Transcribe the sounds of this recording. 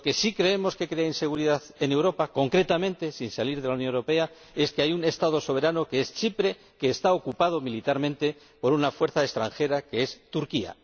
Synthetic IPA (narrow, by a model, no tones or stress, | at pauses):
loke̞sikɾe̞e̞mo̞ske̞kɾe̞ainse̞ɣuɾiðaθe̞ne̞wɾo̞pako̞ŋkɾe̞t̪amẽ̞nt̪e̞sinsaliɾð̞elawnjonewɾo̞pe̞a | e̞skeajune̞st̪að̞o̞so̞βe̞ɾano̞keest͡ʃipɾe̞ | ke̞ːst̪aokupað̞o̞milit̪aɾmẽ̞nt̪e̞ | po̞ɾunafwe̞ɾθaest̪ɾaŋxe̞ɾake̞e̞st̪uɾkia̰